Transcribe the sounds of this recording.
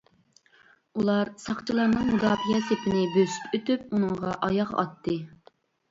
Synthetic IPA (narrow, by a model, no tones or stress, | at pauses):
ulˠɑɾsɑχt͡ʃʰilˠɑɾnɨŋmud̪ɑpjɛsepʰɪnɪbøsy̥pøt̪yp̚unɨŋʁɑʔɑjɑqɑ̰t̪ʰːɨ